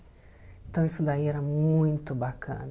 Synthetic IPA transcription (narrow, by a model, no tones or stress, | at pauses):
ẽnt̪ɐ̃w̃isʊd̪aiɛɾɐmũj̃t̪ʊbakʰɐ̰̃nɐ